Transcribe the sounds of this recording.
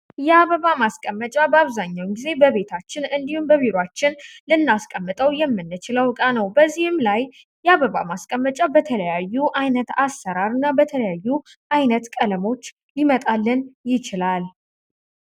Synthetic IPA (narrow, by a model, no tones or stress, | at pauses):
jɛaβəβamaskʼəmːət͡ʃʼabəaβzaɲːawɡize̞bəβe̞t̪ʰat͡ʃːɪnɨnd̪ihumbəβiɾwat͡ʃːɪnlɨnːaskʼəmːɨt̪ʼəwjɛmːɨnːɨt͡ʃɪləwkʼanəwbəzːihɨmlaj | jɛaβəβa̰maskʼəmːət͡ʃʼabət̪ʰələjajːuʔajnət̪asːəɾaɾɨnːabət̪ʰələjajːu | ʔajnət̪kʼələmo̞t͡ʃː | limət̪ʼalːɨnjɪt͡ʃɪlal